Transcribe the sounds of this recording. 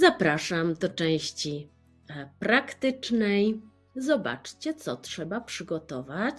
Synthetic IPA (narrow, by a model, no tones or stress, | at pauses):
zapɾaʂamd̪ɔt͡ʂɛ̃w̃ɕt͡ɕi | pɾakt̪ɘt͡ʂnɛj | zɔba̰t͡ʂt͡ɕɛt̪sɔtʂɛbapʂɘɡɔt̪ɔvat͡ɕ